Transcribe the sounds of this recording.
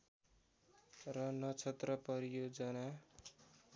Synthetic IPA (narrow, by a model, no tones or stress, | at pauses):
rʌnʌt͡sʰʌt̪rʌpʌɾijod͡zʌna